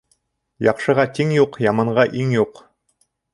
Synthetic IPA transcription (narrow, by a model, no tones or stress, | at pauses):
jɑqʃɤ̆ʁɑt̪iŋjuqjɑmɑɴʁɑʔiŋjuq